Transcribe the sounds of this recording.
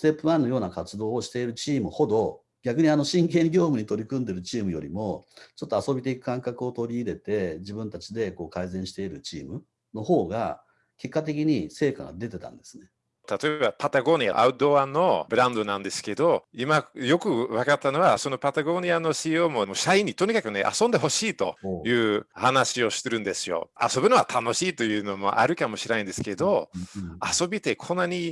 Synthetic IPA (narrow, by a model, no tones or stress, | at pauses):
st̪e̞pːɯ̟βãnːo̞jo̞ːnakat͡sɨd̪o̞ːɕi̥t̪e̞iɾɯ̟t͡ɕiːmɯ̟ho̞d̪o̞ | ɡʲakɯ̟ɲ̟iano̞ɕĩŋkẽ̞ŋɡʲo̞ːmɯ̟ɲ̟it̪o̞ɾʲikɯ̟̃nd̪e̞ɾɯ̟t͡ɕiːmɯ̟jo̞ɾʲimo̞t͡ɕo̞t̪ːoaso̞bʲit̪e̞ikɯ̟̥kãŋkakɯ̟o̞t̪o̞ɾʲiːɾe̞t̪e̞d͡ʑibɯ̟̃nt̪at͡ɕid̪e̞ko̞ːkaizẽɰ̃ɕi̥t̪e̞iɾɯ̟t͡ɕiːmɯ̟ | no̞ho̞ːɡa̰ | ke̞kːat̪̬e̞k̬ʲiɲ̟ise̞ːka̰ɡa̰d̪e̞t̪e̞t̪ã̰nd̪e̞̥sɨne | t̪at̪o̞ebapat̪aɡo̞ɲ̟ʲia̰ʔa̰ɯ̟d̪o̞βanːo̞bɯ̟ɾãnd̪o̞nãnd̪e̞sɨ̥ke̞d̪o̞imajo̞kɯ̟βakat̪ːano̞βaso̞no̞pat̪aɡo̞ɲ̟iano̞ɕiːo̞ːmo̞moɕaiɲ̟ːit̪o̞ɲ̟ikakɯ̟ne̞̰ʔa̰sõnd̪e̞ɦo̞ɕiːt̪o̞̰jɯ̟ːhanaɕio̞ɕi̥t̪eɾɯ̟̃nd̪e̞sɨjo̞̰a̰so̞bɯ̟no̞at̪ʰano̞ɕiːt̪o̞jɯ̟ːno̞mo̞ʔa̰ɾɯ̟kamo̞ɕiɾĩnd̪e̞sɨ̥ke̞d̪o̞aso̞bʲit̪e̞kʰõ̞nːaɲ̟i